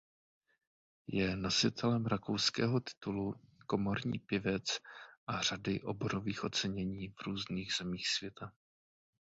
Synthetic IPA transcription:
jɛno̞sɪt̪ʰɛlɛmɾako̞wskɛ̰ːɦo̞t̪ɪ̥t̪uluko̞moɾɲḭːpɪvɛt͡sʔar̝̥adɪʔo̞̰bo̞ɾo̞viːxʔo̞t͡sɛɲɛɲiːvɾuːzniːɣz̥ɛmiːxsvjɛt̪ʰa

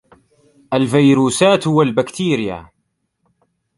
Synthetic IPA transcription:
ʔalfajɾuːsaːt̪hʊwalbakt̪iːɾɪja̰

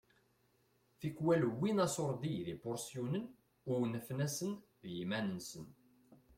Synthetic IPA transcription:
θikːwælwːinɑsoɾˤd̪iðibʊɾsjunən | ʊwnəfnæsənðjimænənsən

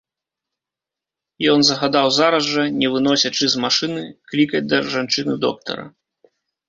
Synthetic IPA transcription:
jɔnzɐɣad̪awzaɾɐzʐɐnʲɛvɨnɔsʲɐt͡ʂɨzmaʂɨnɨklʲikɐd͡zʲd̪ɐʐant͡ʂɨnɨd̪ɔ̰kt̪ɐ̰ɾɐ̰

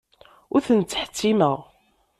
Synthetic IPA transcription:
ʊɾθənt͡sːħə̥t͡sːiməʁ

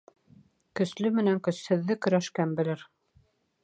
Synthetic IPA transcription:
kɵ̆slɵmɘ̆næŋkɵ̆shɘ̆ðːɘkɵ̆ɾæʃkæmbɘ̆lɘɾ

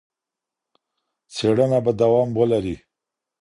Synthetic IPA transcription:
t͡seɽənabad̪awɑmwəlaɾi

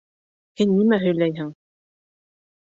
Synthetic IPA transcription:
hɘnːimæɦɵ̆jlæjɦɘŋ

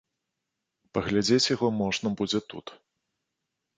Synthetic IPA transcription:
pɐɣlʲad͡zʲet͡sʲjaɣɔmɔʐnɐbud͡zʲɛt̪ṵt̪

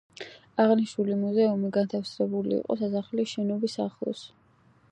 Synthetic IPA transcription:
aʁniʃnulimuzɛumiɡant̪ʰafsɾɛbulḭḭqʼɔ̰sasaχliʃɛnɔbisaχlˠɔ̰s

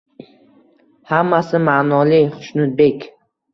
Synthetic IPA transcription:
hamːasɪmanɒliχʊ̥ʃnʊt̪̚bekʲ

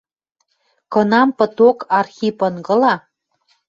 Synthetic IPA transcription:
kɤ̆nɑmpɤ̆t̪okɑrxipɤnɡɤ̆lɑ

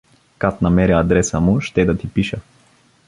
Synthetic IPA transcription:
kat̪namɛɾɛad̪ɾɛsamuʃt̪ɛd̪at̪ipiʃɐ

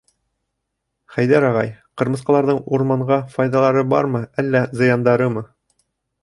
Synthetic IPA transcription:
χæjðæɾɒʁɑ̰jqɤ̆ɾmɤ̆sqɑlˠɑɾðɤɴuɾmɑɴɢɑfɑjðɑlˠɑɾɤbɑ̰ɾmɤælːæzɤ̆jɑnd̪ɑɾɤmɤ

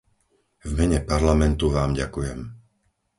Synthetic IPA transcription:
vmɛɲɛpaɾlamɛnt̪uʋaːmɟakujɛm

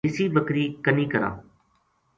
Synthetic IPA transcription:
ɪsiːbəkɾiːkəniːkəɾã̰ː

